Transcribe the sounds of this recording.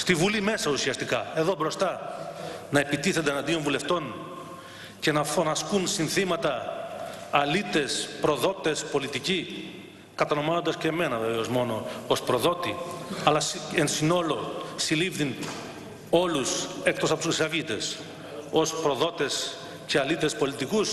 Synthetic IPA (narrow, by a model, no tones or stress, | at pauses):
st̪ivulime̞sɐusiɐst̪ikɐe̞ðo̞bɾo̞st̪ɐ | nɐe̞pit̪iθend̪enɐnd̪io̞ɱvule̞ft̪o̞n | ce̞nɐfo̞nɐskunsinθimɐt̪ɐː | lit̪e̞spɾo̞ðo̞t̪e̞spo̞lit̪ici | kɐt̪ɐno̞mɐnond̪ɐsceːme̞nɐve̞veo̞zmo̞no̞ospɾo̞ðo̞t̪iɐlɐsensino̞lo̞silivðin | o̞luse̞kt̪o̞sɐpot̪usisɐvit̪e̞s | o̞spɾo̞ðo̞t̪e̞s | ce̞ɐlit̪e̞spo̞lit̪ikus